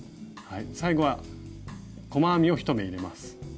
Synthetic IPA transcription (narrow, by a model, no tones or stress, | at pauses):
haisaiɡo̞βa | ko̞maːmʲio̞çi̥t̪o̞me̞iɾe̞masɨ̥